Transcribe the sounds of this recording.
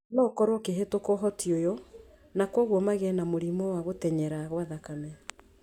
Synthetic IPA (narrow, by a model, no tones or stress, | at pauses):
nɔkɔɾwokeɦetokɔɦɔtʰiojɔ | nakwɔɣwɔmaɣɛnamoɾimɔwaɣotɛɲɛɾaɣwaðakamɛ